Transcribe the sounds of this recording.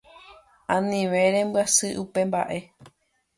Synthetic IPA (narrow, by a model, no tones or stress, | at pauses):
ãnĩʋẽ̞ɾẽ̞mbasɨʔupe̞mba̰ʔe̞